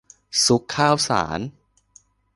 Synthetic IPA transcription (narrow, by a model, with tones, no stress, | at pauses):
su˦˥kʰːaː˥˩wsa̰ː˩˦n